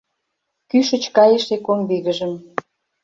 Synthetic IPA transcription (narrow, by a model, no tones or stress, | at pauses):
kyʃə̆t͡ɕkɑjəʃekoŋbiɣə̆ʒə̆m